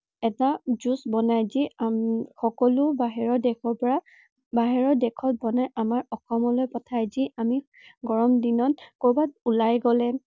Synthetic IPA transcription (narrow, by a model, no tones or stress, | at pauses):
ɛtazusbɔnajziaxɔkɔlʊbaɦɛɹɔdɛkʰɔɹpɔɹa | baɦɛɹɔdɛkʰɔtbɔnajʔamaɹɔxɔmɔlojpɔtʰajziami | ɡɔɹɔmdinɔnkobat̚ulajɡɔlɛ